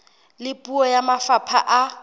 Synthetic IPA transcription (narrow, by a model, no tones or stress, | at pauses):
lɪpʼuɔjamafapʰa̰ʔa